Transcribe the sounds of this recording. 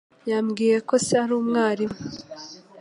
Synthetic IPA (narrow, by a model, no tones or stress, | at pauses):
jaːmɡiːje̞ko̞seaɾuːmŋaːɾimu